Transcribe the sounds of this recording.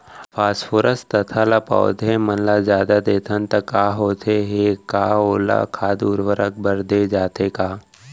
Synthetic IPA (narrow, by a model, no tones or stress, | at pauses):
pʰaːsfʰoːɾəst̪ɐt̪ʰalapa̰ːod̪ɦẽmənlazjaːd̪ad̪eːt̪ʰənt̪ɐkaːɦoːt̪ʰeɦekaːoːla̰kʰaːd̪uɾʋəɾək̚bəɾd̪ed͡ʒaːt̪ekaː